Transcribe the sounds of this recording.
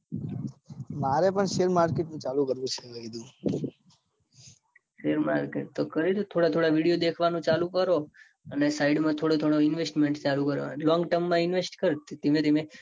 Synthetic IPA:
maɾepəɳʃeɾmaɾkeʈnũt͡ʃalũkəɾʋũt͡ʃʰelaɡid̪jũ | ʃeɾmaɾkeʈ̚t̪okəɾit̪ot̪ʰoɽat̪ʰoɽaʋiɽijod̪ekʰʋanũt͡ʃalũkəɾo | ənesaiɖmãt̪ʰoɽot̪ʰoɽoɪnʋesʈmẽɳʈt͡ʃalũkəɾo̰lɔ̃ŋɡʈəɾmːãɪnʋesʈkəɾt̪t̪emẽt̪emẽ

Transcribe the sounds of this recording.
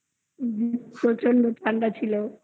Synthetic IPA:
d͡ʒipɾot͡ɕonɖoʈ̪ʰaɳɖat͡ɕʰilo

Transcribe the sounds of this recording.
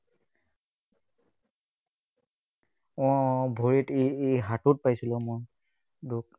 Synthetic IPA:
ɔbʱoɹitiɦatʊt̚pajsilɔmoj | dʊk

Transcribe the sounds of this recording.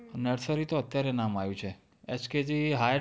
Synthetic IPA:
nəɾsəɾit̪oət̪jaɾenamajũt͡ʃʰe | et͡ʃked͡ʒiɦa

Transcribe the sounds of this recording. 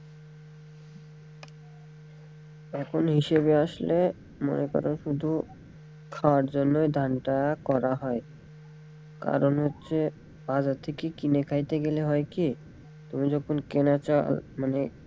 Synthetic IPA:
ɛkʰonɦiʃeβeaʃle | mo̰nekɔ̰ɾonʃud̪ʱu | kʰaaɾd͡ʑonːoed̪ʱanʈakɔɾaɦɔe | ka̰ɾonɦotːɕʰe | bad͡ʑat̪ʰekekinekʰajt̪eɡeleɦɔeki | t̪omid͡ʑɔkʰonkenat͡ɕa̰lmane

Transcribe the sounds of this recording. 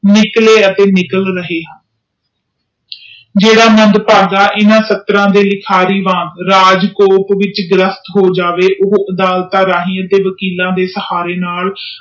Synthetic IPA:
nɪkleːət̪eːnɪkəlɾəɦeːɦən | d͡ʒeːɽaːmənd̪paːɡaːʔɪnãːsət̪ɾãːd̪eːlɪkʰaːɾiːʋãːnd̪ɾaːd͡ʒkoːpʋɪt͡ʃɡɾəst̪ɦoːd͡ʒaːʋeːʔoɦoːʔəd̪aːlt̪aːɾaːɦiːəd̪eːʋəkiːlãːd̪eːsəhaːɾeːnaːl

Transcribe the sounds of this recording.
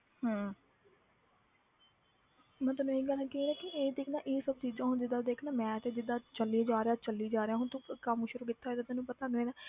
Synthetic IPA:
ɦãː | mət̪ləeːɡəlɛkɪnɛːkɪʔeːd̪ɪkʰnãːʔeːsəb̚t͡ʃiːd͡ʒãːɦʊnd͡ʒɪd̪aːd̪eːkʰnaːmɛ̃ːt̪eːd͡ʒɪd̪aːt͡ʃəlːiaːd͡ʒaːɾeaːt͡ʃəlːiːd͡ʒaːɾeaːɦʊnt̪õːkəmʃʊɾuːkɪt̪ʰːaːd̪aːt̪enũːpət̪aːɡeːnaː

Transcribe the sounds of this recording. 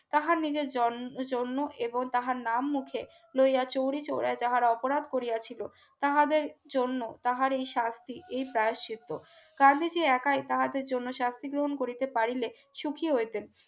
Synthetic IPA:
t̪aɦaɾnid͡ʑeɾd͡ʑɔd͡ʑonːoʔeboŋt̪aɦaɾnamːukʰe | lojjat͡ɕowɾit͡ɕowɾaed͡ʑaɦaɾaɔpoɾad̪ʱkoɾijat͡ɕʰilo | t̪aɦad̪eɾd͡ʑonːot̪aɦaɾejʃast̪ʰiʔejpɾajoʃit̪ːo | ɡ̥and̪ʱid͡ʑeɛkajt̪aɦad̪eɾd͡ʑonːoʃast̪ʰiɡɾoɦonkoɾit̪epaɾile | ʃukʰiɦoet̪en

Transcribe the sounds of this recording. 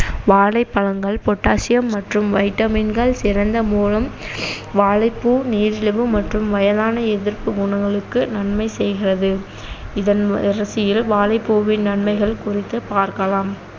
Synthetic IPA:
ʋaːlɐɪpːɐɻɐŋɡɐɭpɔʈːaːsɪjɐmːɐʈrɯmʋɐɪʈːɐminɡɐɭsɪrɐnd̪ɐmuːlɐm | ʋaːɭɐɪpːuːniːɾɪɻɯʋɯmɐʈrɯmʋɐjɐðaːnɐɛðɪɾpɯɡʊɳɐŋɡɐɭɯkːɯnɐɳmɐɪsɛjɣɪrɐðɯ | ɪðɐnɪɾɐsɪjɪlʋaːlɐɪpːuːʋɪnnɐɳmɐɪɣɐɭkʊrɪt̪ːɐpaːɾkɐɭaːm

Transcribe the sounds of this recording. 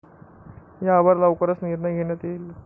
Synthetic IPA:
jaʋəɾlaʋkəɾət͡sniɾnəɡʱeɳ̃jat̪il

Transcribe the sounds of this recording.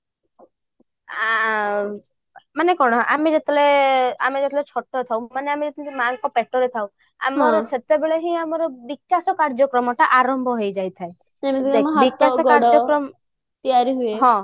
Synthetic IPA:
a | manekɔɽ̃ɔʔamed͡ʒet̪ʰɔleamed͡ʒet̪ʰɔlet͡ʃʰɔʈːɔɾet̪ʰawmaneamed͡ʒet̪ʰlemaŋkɔpeʈɔɾet̪ʰaw̃ | a̰mɔɾɔset̪ebeɭɔɦĩamɔɾɔbikːasɔkaɾd͡ʒɔkɾɔmɔʈaʔaɾɔmbʱɔɦojd͡ʒajt̪ʰae | miɦbikːasɔɡkaɾd͡ʒɔkɾɔm | t̪iaɾiɦueɦɔ̃

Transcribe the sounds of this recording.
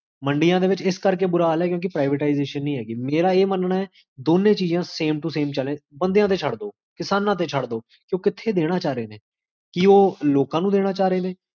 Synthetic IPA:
məɳɖɪjãːd̪eːʋɪt͡ʃɪskəɾk̬eːbʊɾaːlɛːkjõːk̬ɪpɾaːɪʋeːʈaːɪzeːʃənːĩːɦɛːɡiːmeːɾaːeːmənnaːɛː | d̪oːnẽːt͡ʃiːzãːseːmʈuseːmt͡ʃəlẽːbənd̪ejãːt̪̬eːt͡ʃʰəɽd̪oː | kɪsaːnãːt̪̬eːt͡ʃʰəɽd̪oː | kjõːkɪt̪ʰːeːd̪eːɽ̃aːt͡ʃaːɾeːneː | kioːloːkãːnũːd̪eːɽaːt͡ʃaːɾeːneː

